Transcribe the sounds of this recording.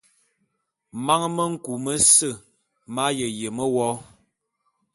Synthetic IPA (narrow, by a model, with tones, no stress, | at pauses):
ma˦ŋ˦mə˦ŋ̩˦ku˨mə˦sə˦˨ | ma˦jə˨je˨mə˦wɔ˦